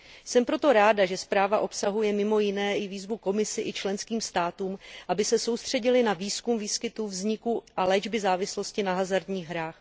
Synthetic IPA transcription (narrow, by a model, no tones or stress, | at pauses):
sɛmpɾo̞t̪o̞ɾaːdaʒɛspɾaːvaʔo̞psaɦujɛmɪmo̞jɪnɛːʔɪviːzvuko̞mɪsɪʔɪt͡ʃlɛnskiːmst̪aːt̪uːmʔabɪsɛso̞wst̪r̝̥ɛɟɪlɪnaviːskumviːskɪt̪uvzɲɪkuʔalɛd͡ʒbɪzaːvɪslo̞scɪnaɦazaɾd̪ɲiːɣɦɾaːx